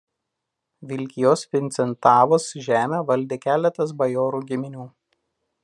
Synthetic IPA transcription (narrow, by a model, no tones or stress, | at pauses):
ʋʲɪlʲkʲɪjoːspʲɪnʲt̪sʲɛnt̪ɑːʋoːsʒʲæːmʲeːʋɐlʲd̪ʲeːkʲæːlʲɛt̪ɐs̬bɐjoːɾuːɡʲɪmʲɪnʲuː